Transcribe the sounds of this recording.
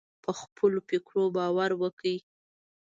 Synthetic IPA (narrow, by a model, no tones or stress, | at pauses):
pəxpʰəlopekɽobɑwaɾwəkəi